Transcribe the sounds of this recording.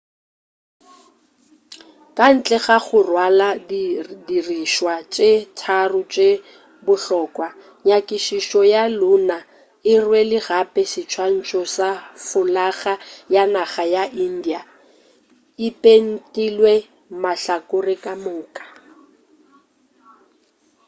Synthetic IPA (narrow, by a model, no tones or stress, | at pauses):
kʼan̩t͡ɬʼɛɣaχʊrwaladdiriʃwat͡ʃʼetʰarʊt͡ʃʼe | bʊɬɔːkʼwa | ɲakʼiʃiʃɔjalʊna | ɪrwelɪɣapʼɛsɪt͡ʃʰwan̩t͡ʃʼɔsafʊlaɣajanaɣajaʔin̩dia | ɪpʼen̩tʼilwe | maɬakʼʊrɪkʼamʊːkʼḁ